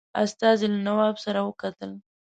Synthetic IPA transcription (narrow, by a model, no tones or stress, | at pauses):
a̰st̪ɑzilanawɑbsaɾawəkat̪əl